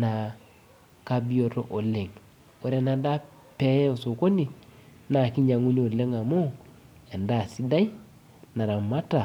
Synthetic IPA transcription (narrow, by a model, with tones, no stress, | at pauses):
na˨ | ka˦bi˦o˨to˦ʔo˨le˨ŋ | o˨ɾe˨na˨da˦ | pɛ˨˦o˨so˨ko˦ni˨ | na˨ki˦ɲa˨ŋu˦ni˦o˨le˦ŋa˨mo˦ | e˨nda˦˨si˦da˦i˦ | na˨ɾa˨ma˦ta˨